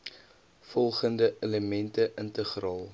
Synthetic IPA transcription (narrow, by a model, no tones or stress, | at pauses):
fɔlˠχəndəʔeləmɛntəʔəntəχrɑːlˠ